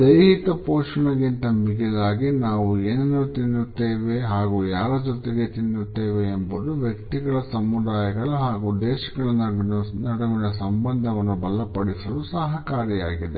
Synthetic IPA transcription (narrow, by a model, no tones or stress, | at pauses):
d̪ɐjɦit̪ɐpɔːʂɐɳɐɡint̪ɐmiɡɛlaːɡinaːʋueːnɐnːut̪inːut̪ːeːʋe̞ɦaːɡuːjaːɾɐd͡ʒot̪eɡet̪inːut̪ːeːʋeːmbɐd̪uʋjɐkt̪iɡɐɭɐsɐmːud̪aːjɐɡɐɭuɦaːɡuːd̪ɛːʃɐɡɐɭɐnɐnɐɽɐʋinɐsɐmbɐnd̪ʱɐʋɐnːubɐlːɐpɐɽisɐlusɐɦɐkaːɾjɐjaːɡid̪e